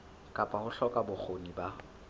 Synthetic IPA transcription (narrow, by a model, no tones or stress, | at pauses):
kʼapʼahʊɬɔkʼabʊk͡xʰoniba